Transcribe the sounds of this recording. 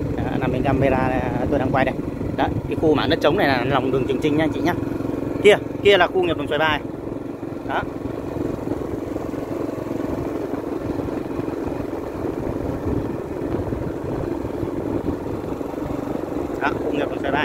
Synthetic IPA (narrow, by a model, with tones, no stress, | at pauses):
a˨˧˨na˧mːi˨˧˩ŋka˧mː˧jlaː˧a˨˩˨t̪o˧jɗaː˧ŋkwa˧jɗə˧˩jɗɔ˨˦ka˨˦xu˧maː˧˩nə˦˥t̚t͡ɕə˨˦wŋ͡mna˨˩jlaː˨˩˨la˨˩wŋ͡mɗɨ˨˩əŋt͡ɕɨ˨˩ŋt͡ɕï˧˩ŋɲaː˧t͡ɕḭ˧˨ɲaː˧ki˧əki˧əlaː˨˩xu˧ŋi˨˩lŋswɓaː˧˩˨ | ɗɔ˨˦ | ɗɔ˨˦xu˧ŋi˨˩p̚lə˨˩ŋswa˨˩ɓaː˧˩